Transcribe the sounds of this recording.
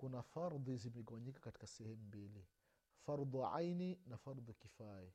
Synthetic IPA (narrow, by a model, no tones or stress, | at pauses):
kunafaɾðhizmɛɠawaɲikḁkati̥kasɛhɛmumbili | faɾðuʕa̰jninafaɾðˤukifaɛ